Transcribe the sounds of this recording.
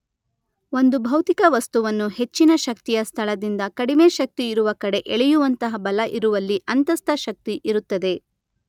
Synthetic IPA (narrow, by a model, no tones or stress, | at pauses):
o̞nd̪ubʱɐwt̪ikɐʋɐst̪uʋɐnːuɦe̞t͡ʃːinɐʃɐk̚t̪ijɐst̪ʰɐɭɐd̪ind̪ɐkɐɽime̞ːʃɐk̚t̪iːɾuʋɐkɐɽe̞ʔeɭɛjuʋɐnt̪ɐɦɐbɐlɐʔiɾuʋɐlːiʔɐnt̪ɐst̪ʰɐʃɐk̚t̪iʔiɾut̪ːɐd̪e̞